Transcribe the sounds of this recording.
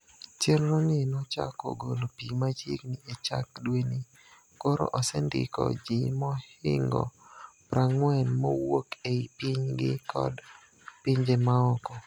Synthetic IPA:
t͡ʃelɾonɪnɔt͡ʃa̰kɔ̰ɡolopimat͡ʃiknɪet͡ʃa̰kdweni | koɾo̰ʔɔsɛndɪ̰kɔ̰d͡ʒɪmɔhɪŋɡɔ̰pɾaŋwɛnmɔwokeipɪɲɡɪ̰kɔ̰d | piɲd͡ʒemaɔkɔ

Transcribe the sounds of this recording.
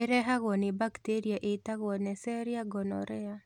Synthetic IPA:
eɾɛɦaɣɔnebakt̪eɾiaʔetaɣɔnɛsɛɾiaɡɔnɔ̰ɾɛa

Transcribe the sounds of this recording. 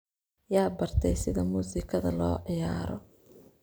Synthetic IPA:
jaːbɐrt̪ʰɛjsɪðɐmuːsɪkʰɐðɐlɔːʕɪjaːɾɔ̰

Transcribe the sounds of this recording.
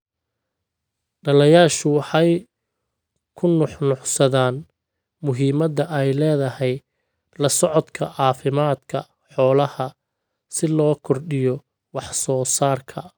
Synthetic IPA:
ɖɐlɛjaːʃʊwɑħɑj | kʰʊnʊħnʊʕsɐðaːn | mʊɦiːmɐd̪ɐʔɛjlɛːðɐhɛj | lɐsɔʕɔd̪kʰɐ̰ʔɑːfɪmaːd̪kʰɐ | ħɔːlɐhɐ | sɪlɔːkʰɔrɖɪjɔ | wɑħsɔːsaːrkʰɐ

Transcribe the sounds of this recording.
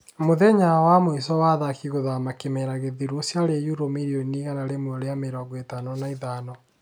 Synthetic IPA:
moðɛɲawamwisɔwaðakiɣoðamakemɛɾaɣeðiɾwosjaɾejuɾomiɾioniɣanaɾemwɔɾeameɾɔɡɔetanɔnaiðanɔ

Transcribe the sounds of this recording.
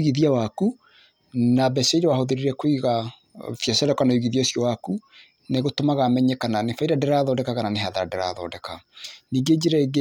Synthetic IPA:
iɣiðiawaku | nabɛsɛiɾewahoðeɾeɾɛkoiɣa | fjɛsɛɾɛkanauɣiðiasjɔwaku | neɣotomaɣamɛɲɛkananefaiɾadɛɾaðɔːdɛkaɣananeɦaðaɾadɛɾa̰ðɔ̰ːdɛkaniːɡed͡ʑeɾaeɡe

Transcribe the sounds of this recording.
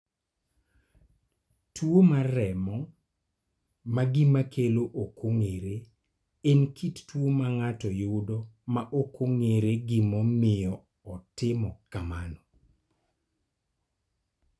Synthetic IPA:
twomarɛmɔ | maɡɪmakʰeloʔokʰoŋeɾe | enkʰittwomaŋatɔjʊdɔmaʔokʰoŋeɾeɡɪmɔmɪjɔː | tɪmɔkamanɔ

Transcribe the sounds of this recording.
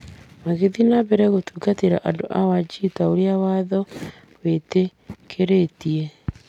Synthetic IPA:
maɣeðinaβɛɾɛɣotuːkateɾa̰ʔadoʔawad͡ʒitaoɾeawaðɔ | wetekʰeɾetie

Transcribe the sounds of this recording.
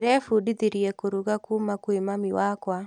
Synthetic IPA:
ɾɛfudiðiɾiɛkoɾuɣakumakwemamiwakwa

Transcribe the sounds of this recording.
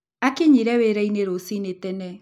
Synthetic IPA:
akeɲiɾɛweɾɛineɾosinetɛnɛ

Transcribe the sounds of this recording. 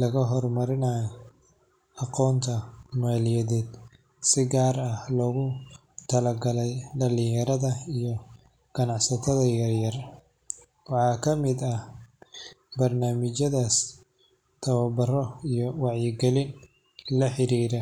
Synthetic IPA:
lɐɣɐɦɔrmɐɾɪnaːj | ɑqɔːnt̪ʰɐmaːlɪjɛðɛːd̪ | sɪɡaːɾɐlɔːɣʊ | t̪ʰɐlɐɡɐlɛjɖɐlɪjjɐɾɐðɐijɔ | ɡ̥ɐnɑʕsɐt̪ʰɐðɐjɐrjɐr | wɑħɑːkʰɐmɪd̪ɐh | bɐrnaːmɪt͡ʃɐðaːs | t̪ʰɐβɐbɐrɔijɔwɑʕjɪɡɛlɪn | lɐħɪɾiːɾɛ

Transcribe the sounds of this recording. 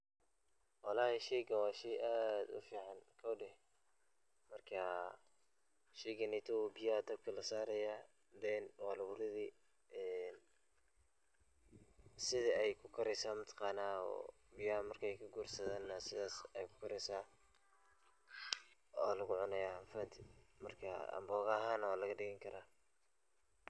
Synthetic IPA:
wɑlaːhɛʃɛjɡɐwɑːʃɛjʔaːd̪ʊ̰fiːʕɑnkʰɔːɖɛh | mɐrkʰɐ | ʃɛjɡɐnɛjt̪ʰɔwbɪjad̪ɐb̚kʰɐlɐsaːɾɐja | bɛnwɑːlʊβʊɾɪði | ʔɛn | sɪðiɛjkʰʊkʰɐɾɛsaːmɐt̪ʰɑ̥qɑːnaːɔ̰ː | bɪjɐmɐrkʰɛjkʰɐɡuːrsɐðaːnːɐsɪðaːsɛjkʰʊ̥kʰɐɾɛjsaː | ɔːlɐɣʊʕʊnɐjaːfɐd̪ʰɪmɐrkʰɐ̰ɐ̰mbɔːɣaːɦaːnɐwaːlɐɣɐɖɪɣɐŋkʰɐɾʔaː

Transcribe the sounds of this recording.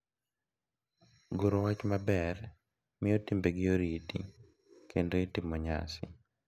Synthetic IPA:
ɡoɾowat͡ʃmabɛr | mɪotimbeɡɪjoɾitḭ | kʰendoitɪmɔɲa̰sɪ̰

